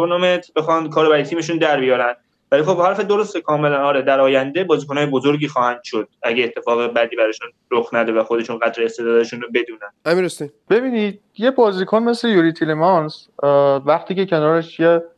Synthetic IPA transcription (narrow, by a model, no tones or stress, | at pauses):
onɒːmet̪bexɒnkʰɒːɾobæɾɒjet̪ʰiːme̞ʃund̪æɾbijɒːɾænd̪ | vælixo̞bhæɾfed̪o̞ɾost̪ekʰɒːme̞lænɒːɾed̪æɾɒːjænd̪ebɒːziːkʰonɒːjebozoɾɟiːxɒːhænd̪̥ʃod̪̥̚æɟeːt̪ʰːe̞fɒːɣebæd̪iːbæɾɒʃun | ɾoxnæd̪evæxod̪e̞ʃunɣæt̪ɾeːst̪ed̪ɒːd̪æeʃuːnɾobe̞d̪uːnænd̪æmiɾost̪ib̥e̞biːnid̪̥̚ | je̞bɒːzikʰonme̞slejuːɾit̪ʰilemɒnsvæχt̪ʰiːce̞cʰe̞nɒːɾeʃt͡ʃʰije